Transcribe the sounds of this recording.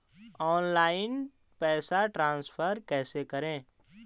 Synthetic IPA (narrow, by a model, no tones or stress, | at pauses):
ɔːnlaːɪn | pɛːsaʈɾãːnspʰəɾkɛːsekɐɾẽː